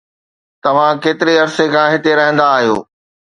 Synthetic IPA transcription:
t̪ɐʋ̤ãkeːt̪ɪɾeɐɾsekʰãːɦɪt̪eɾɐɦə̃nd̪aːɦijo̰ː

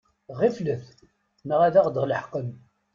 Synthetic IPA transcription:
ʁifləθ | nəʁæðæʁd̪əʁləħqəm

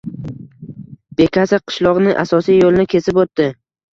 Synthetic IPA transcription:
b̥e̞kʲʰasɪqʰɨ̥ʃlˠɒʁnɪʔa̰sɒsijjolɪnɪkʲʰe̞sɪpot̪ːɪ

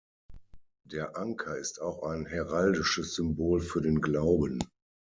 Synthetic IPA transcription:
d̥eːɐʔaŋkʰɐɪstaʊxaɪnɦɛʁaldɪʃəsz̥ʏmboːlfyːɐdeːnɡlaʊbən

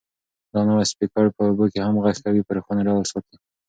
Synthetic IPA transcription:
d̪ɑnawaspikɑɽpəobokehamɣaxkawipəɾxanaɖawəlsɑt̪i

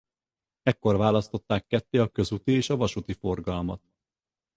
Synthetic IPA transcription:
ɛkːo̞rvaːlɒst̪o̞t̪ːaːkːɛt̪ːeːɒkø̞zut̪ieːʃɒvɒʃut̪ifo̞rɡɒlmɒt̪

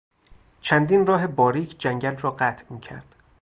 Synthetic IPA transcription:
t͡ʃʰænd̪iːnrɒːɦe̞bɒːɾiːkʰd͡ʒæŋɟælrɒːɢæt̪ʰmiːcʰæ̰ɾd̪̥

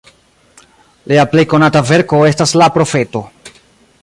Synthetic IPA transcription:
leaple̞jko̞natave̞ɾko̞e̞staslapɾo̞fe̞to̞

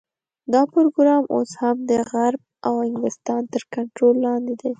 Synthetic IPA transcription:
d̪ɑpoɾoɡɾɑmʔo̰shamd̪əɣaɾb̚awhɪŋɡlɪst̪ɑnt̪əɾkaɳʈɾolːɑnd̪ed̪e

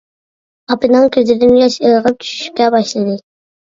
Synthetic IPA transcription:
ɑpɨnɨŋkʲʰøzɪd̪ɪnɡʲɛʃejˠʁəp̚t͡ʃ̪ʰy̥ʃy̥ʃy̥p̚kʲɛbɑʃlˠɨd̪ɨ

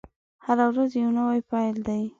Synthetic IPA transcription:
haɾawɾazjewnawajpɑjld̪aj

